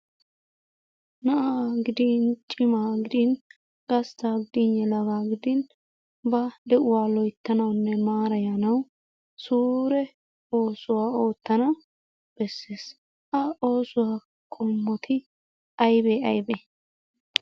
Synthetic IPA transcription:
nɐʔaːɡɪd̪ɪnt͡ʃʼːɪmaːɡɪd̪ɪn | ɡ̥ɐst̪aːɡɪd̪ɪnːɛlɐɡaːɡɪd̪ɪn | bɐd̪ɛʔʊwaːlɔjt̪ːɐnɐwnːɛmaːɾɐjɐnɐw | suːɾɛ | o̞ːsʊwaːo̞ːt̪ːɐnɐw | b̥ɛsːeːs | ʔɐo̞ːsʊwaː | kʼɔmːɔt̪ʰɪ | ɐjbeɐjbe

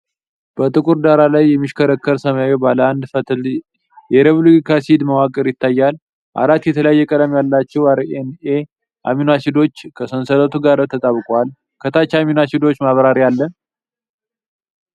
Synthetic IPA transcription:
b̥ət̪ʼɨkʼuɾd̪aɾalajːɛmːɨʃkʰəɾəkːəɾsəmawebaləand̪fət̪ʰɨl | jɛɾeβluikʰasid̪məwakʼəɾjɪt̪ːajːal | ʔa̰ɾat̪ːjɛt̪ʰələjajːɛkʼəd̪əmjalːat͡ʃːɛwaɾene | ʔaminasid̪o̞t͡ʃːkʰəsənsələt̪ʰuɡaɾt̪ʰət̪ʼaβɨkʼwal | kʰət̪ʰat͡ʃːaminasid̪o̞t͡ʃːmaβɾaɾijalːən

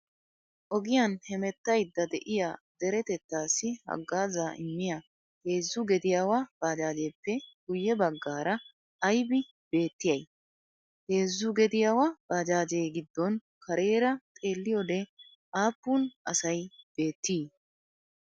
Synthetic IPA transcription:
ʔɔɡɪjanhɛmɛt̪ːɐjd̪ːɐd̪ɛʔɪjad̪̥ɛɾɛt̪ɛt̪ːaːsːɪhɐ̰ɡːaːzaʔɪmːɪja | heːzːʊɡɛd̪ɪjawab̥aːd͡ʒaːd͡ʒeːpːɛɡ̥ʊjːɛbɐɡːaːɾɐ | ɐjbɪ | b̥e̞ːt̪ːɪjɐj | he̞ːzːʊɡɛd̪ɪjawab̥aːd͡ʒaːd͡ʒeːɡɪd̪ːɔn | kʰɐɾe̞ːɾɐt̪ʼe̞ːlːɪjɔd̪ɛ | ʔaːpːuːnʔɐsɐjb̥e̞ːt̪ːiː

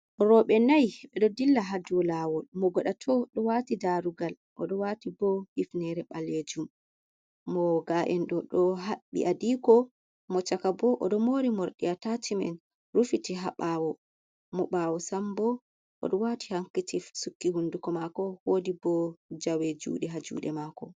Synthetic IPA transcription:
ɾɔɓɛnajɓɛɗɔdilːaɦaduɔlaːwɔmɔɡɔɗatʰɔɗɔwatidaɾuɡal | ʔɔɗɔwatibɔhifnɛɾɛɓaled͡ʒumː | ɔɡaʔɛnɗɔɗɔɦaɓːḭʔadikɔ | mɔt͡ʃakabɔʔɔɗɔmoːɾimɔɾɗiatatimɛ̰n | ɾufitiɦaɓawɔ | mɔɓawɔsambɔ | ʔɔ̰ɗɔwati̥haŋkːitisukːihundukɔmakɔwodibɔd͡ʒawed͡ʒṵːɗɛɦad͡ʒṵːɗɛmakɔ

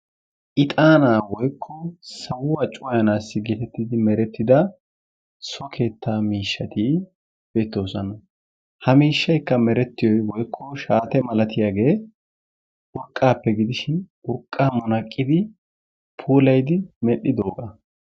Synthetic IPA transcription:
ʔɪt̪ʼaːnaːwɔjkʰːɔsɐwʊwɐt͡ʃʼʊwɐjɐnaːsːɪɡɛt̪ɛt̪ːɪd̪ɪmɛɾɛt̪ːɪd̪ɐ | sɔkʰe̞ːt̪ːaːmiːʃːɐt̪iː | b̥e̞ːt̪ːo̞ːsɐnɐ | hɐmiːʃːɐjkːɐmɛɾɛt̪ːɪjɔjwɔjkʰːɔʃaːt̪ɛmɐlɐt̪ɪjaːɡe̞ː | ʔʊɾkʼːaːpːɛɡɪd̪ɪʃɪnʊɾkʼːaːmʊnɐkʼːɪd̪ɪ | pʰuːlɐjd̪ɪmɛɗːɪd̪o̞ːɡɐ

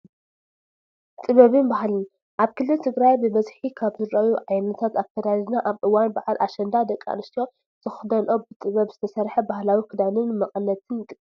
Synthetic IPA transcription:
t̪ʼɨβɐβɨnbaɦalɨn | ʔaβkʰɨlːɨlt̪ʰɨɡɾajbɨbɐzħikʰaβzɨɾɐjuʕajnɐt̪ʰat̪akʰɐd̪aaznaʔaβʔɨwanbaʕalʔaʃɐnd̪ad̪ɐkʼːa̰nɨst̪ijo | z̥ɨxd̪ɐnʔo̞bɨt̪ʼɨβɐβz̥ɨt̪ʰɐsɐɾħɐbahlawikʰɨd̪anɨnmɐχʼɐnːɐt̪ʰɨnt̪ʼɨkʼ

